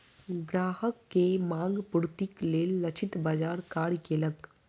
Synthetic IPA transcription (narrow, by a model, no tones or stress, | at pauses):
ɡɾaːhəkːemãːŋɡpʊɾt̪ikleːlːɐt͡ʃʰɪt̪bad͡ʒaːɾkaːɽikelək